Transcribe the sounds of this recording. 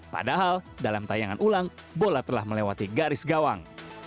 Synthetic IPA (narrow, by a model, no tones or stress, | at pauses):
pa̰daɦaldalamt̪ajaŋanʔulaŋbolat̪əlahməlewat̪iɡaɾɪsɡawaŋ